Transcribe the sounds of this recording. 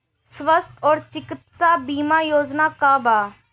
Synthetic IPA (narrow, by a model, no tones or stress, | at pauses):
sʋəst̪ɔːɾt͡ʃɪkɪt̪saːbiːmaːjoːd͡ʒnaːkaːbaː